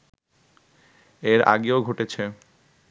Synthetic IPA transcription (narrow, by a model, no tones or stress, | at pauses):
eɾa̰ɡeoɡʱoʈet͡ɕʰe